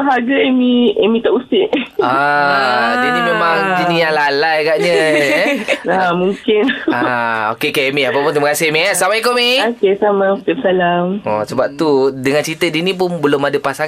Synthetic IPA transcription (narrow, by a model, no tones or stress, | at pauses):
aɦaɡəemiemĩt̪aʔusɪʔa | dədimemaŋd͡ʒinijaŋlalajaɡaʔɲə | amũŋkɪnaokekaemiapapʊnt̪iməkasɪhmiasamaikomiokesamãut̪ɪp̚salamɔsəbap̚t̪udəŋant͡ʃit̪ədinip̬ʊnbəlʊmadəpasaŋ